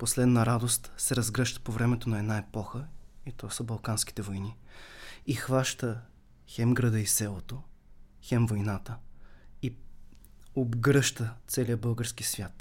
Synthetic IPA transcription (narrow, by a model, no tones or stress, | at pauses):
poslɛd̪nɐɾad̪ost̪sɛɾɐzɡɾɤʃt̪ə̥povɾɛmɛt̪onɐɛd̪naɛpɔxəit̪ɔsəbɐlˠkansk̟i̥t̪ɛvojni | ixvaʃt̪ə | xɛmɡɾəd̪əisɛlˠot̪o | xɛmvojnat̪əi | obɡɾɤʃt̪ət̪sɛlijəbɤlˠɡəɾsk̟isvʲjat̪